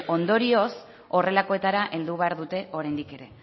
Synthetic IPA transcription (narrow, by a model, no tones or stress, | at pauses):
ʔo̞nd̪o̞ɾio̞s | o̞re̞lako̞e̞t̪aɾaʔe̞ld̪uβ̞e̞aɾðut̪e̞ʔo̞ɾajnd̪ike̞ɾe̞